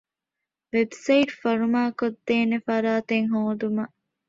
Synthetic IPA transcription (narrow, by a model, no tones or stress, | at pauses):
ʋebsɐjʈfɐɾumaːkod̪ːeːnefɐɾaːt̪eŋɦoːd̪umɐ